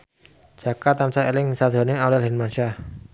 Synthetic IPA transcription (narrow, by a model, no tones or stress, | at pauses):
d͡ʒ̥akat̪ant͡ʃaelɪŋsad̪ɾɔ̤nɪŋawlɛlɦɛnmanʃa